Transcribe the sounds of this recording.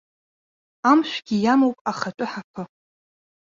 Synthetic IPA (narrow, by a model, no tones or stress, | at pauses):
amʃʷᶣɡʲijamowpʼaχat͡ʃʷʼʊħapʰɨ